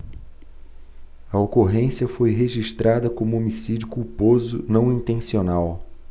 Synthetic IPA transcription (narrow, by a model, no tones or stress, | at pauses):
ɐokoɦẽsiɐfojɦeʒiʃt̪ɾad̪ɐkõmʊomisid͡ʒʊkuɾpozʊ̰nɐ̃w̃ĩt̪ẽsionaw